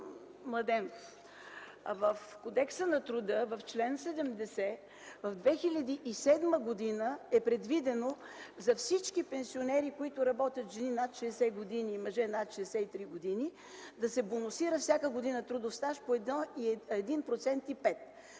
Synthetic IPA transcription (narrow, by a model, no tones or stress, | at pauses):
mlˠɐd̪ɛn | vəfkod̪ɛksənɐt̪ɾud̪əvɐft͡ʃlɛnsɛd̪ɛmd̪ɛsɛ | vɐvd̪vɛxilʲɐd̪iʔisɛd̪məɡod̪inəɛpɾɛd̪vid̪ɛno | zɐfsit͡ʃkipɛnsionɛɾikoit̪ʊɾɐbɔt̪ʲjɐt̪ʒɛninat̪ʃɛɛsɛɡod̪iniːmɐʒɛnat̪ʃɛd̪ɛsɛit̪ɾiɡod̪ini | d̪ɐsɛbonosiɾəfsʲjakəɡod̪inət̪ɾud̪ofst̪aʃpoɛd̪nɔiɛd̪inpɾot̪sɛnt̪ipɛt̪